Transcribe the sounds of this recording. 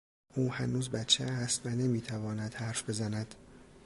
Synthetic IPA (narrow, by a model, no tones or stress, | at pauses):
ʔuːhænuːzbæt͡ʃʰːeæst̪vænemiːt̪ʰævɒːnæd̪̥hæɾfbe̞zænæd̪̥